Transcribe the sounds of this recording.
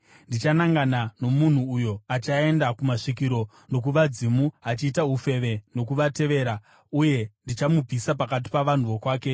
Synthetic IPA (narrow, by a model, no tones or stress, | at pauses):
ndit͡ʃanaŋɡanano̞mun̤uːjo̞at͡ʃae̞ndakumaʂikiɾo̞ | no̞k̬uʋad͡zimuat͡ʃiːtaɦufe̞ʋe̞no̞k̬uʋate̞ʋe̞ːɾa | uje̞ndit͡ʃamub͡vʱisapakat̬i̥paʋan̤uʋo̞kwaːke